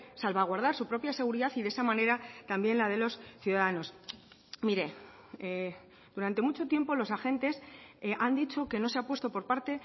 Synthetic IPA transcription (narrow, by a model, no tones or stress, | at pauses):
salβaɣ̞waɾð̞aɾsupɾo̞pjase̞ɣ̞uɾiðaθiðesamãne̞ɾat̪ambje̞nlað̞e̞lo̞sθjuðaðano̞s | miɾe̞ | e | d̪̥uɾant̪e̞mut͡ʃo̞t̪je̞mpo̞lo̞saxẽ̞nt̪e̞sʔand̪it͡ʃo̞ke̞no̞se̞apwe̞st̪o̞po̞ɾpaɾt̪e̞